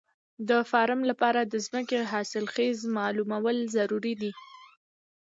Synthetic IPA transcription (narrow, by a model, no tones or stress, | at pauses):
d̪əfɑɾəmlapɑɾad̪əzməkeɦɑsɪlxezmɑlumawəlzaɾuɾid̪i